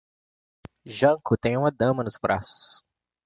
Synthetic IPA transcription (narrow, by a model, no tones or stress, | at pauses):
ʒɐ̃ŋkʊt̪ẽj̃ũmɐd̪ɐ̃mɐnʊzbɾʔa̰sʊ̥s